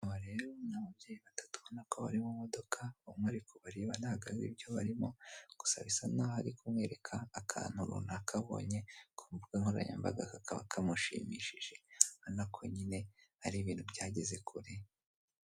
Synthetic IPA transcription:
namaɾe̞ːɾonaβab̚jeːjiβatḁtu̥βo̞nakoβa̰ɾimumo̞do̞kʰaomŋaɾikoβaɾiβanahaɡaɾḭbjo̞βaɾimo̞ɡ̥u̥sa̰βisanahaɾikumwe̞ːɾe̞kʰaːkʰa̰ːn̥huɾṵnakʰaβo̞̰ɲe̞kʰomvuɡaŋho̞ɾa̰ɲa̰mba̰ɡakakʰaβa̰kʰamuʃḭːmḭːʃiʒe̞anakʰoɲine̞haɾiβiːn̥hubjaːɟe̞ze̞kʰuɾi

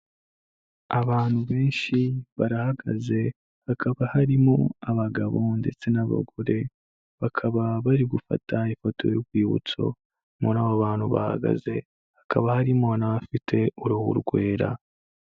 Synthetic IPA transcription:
aβaːn̥huβe̞ːnʃiβaɾahaɡa̰ze̞ | hakʰaβahaɾimo̞̰aβaɡaβo̞nde̞̰t͡se̞naβa̰ɡoɾe̞ | βakʰaβaβaɾiɡufa̰tʰaifoto̞̰juɡwiːβṵt͡so̞̰ | monaβoβaːnhuβa̰ha̰ɡa̰ze̞ | hakʰaβahaɾimonaβafitʰe̞uɾuhṵɾɡwe̞ːɾa̰

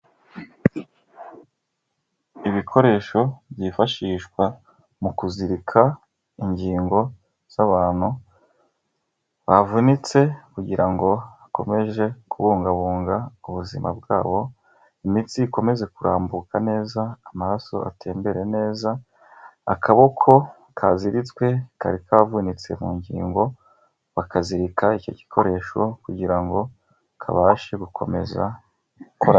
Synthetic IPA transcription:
iβikʰo̞ɾe̞ːʃo̞bjiːfaʃiːʃkwa | mukuziɾikʰa | iɲɟiːŋɡo̞ | z̥aβaːn̥hu | βavunit͡se̞kuɟiɾʔaŋɡo̞ako̞̰me̞ʒe̞kʰuβuːŋɡaβuːŋɡauβuzimʔa̰b̚ɡaːβo̞ | imitiiko̞me̞ze̞kuɾʔaːmbukane̞ːzaːmaɾaso̞̰ʔa̰te̞ːmbe̞ɾe̞ne̞ːza | a̰kʰaβokʰo̞ | kʰaziɾit͡swe̞ka̰ɾikaβvunit͡se̞muːɲɟḭːŋɡo̞ | βakʰaziɾikaico̞̰ɟi̥kʰo̞ɾe̞ʃo̞kuɟiɾaŋɡo̞ | kʰa̰βaːʃeɡukʰo̞̰me̞̰za̰ | koɾa

